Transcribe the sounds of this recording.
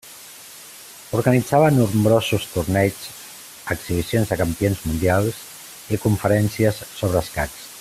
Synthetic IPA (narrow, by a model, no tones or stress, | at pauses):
uɾɣanid͡zaβənuɾmbɾozust̪uɾnɛt͡s | əksiβ̞isionzðəkampionzmund̪ialˠs | ikuɱfəɾɛnsiəsːoβ̞ɾəskas